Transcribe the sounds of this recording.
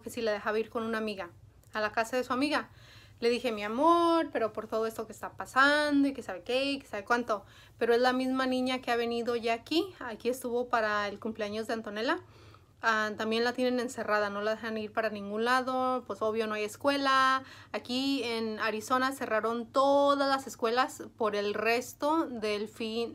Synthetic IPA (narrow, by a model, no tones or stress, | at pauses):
kesilaðe̞xaβeiɾko̞nũnamiɣaː | lakasaðe̞suamiɣa | le̞ðixemjiamoɾpe̞ɾo̞po̞ɾt̪o̞ðoest̪o̞keːst̪apasand̪o̞ike̞saβe̞keike̥saβe̞kwant̪o̞ | pe̞ɾo̞e̞zlamizmanĩɲakeaβe̞niðo̞ʝaːkiakie̞st̪uβo̞paɾaelkumple̞aɲo̞zðeant̪one̞la | at̪ambje̞nlat̪je̞ne̞ne̞nse̞rað̞ano̞laðexaniɾpaɾanĩŋɡũnlaðopweso̞β̞jo̞noajeskwe̞laːkienaɾiso̞nase̞raɾo̞nt̪oðazlase̞skwe̞laspo̞ɾe̞lre̞st̪o̞ðe̞lfin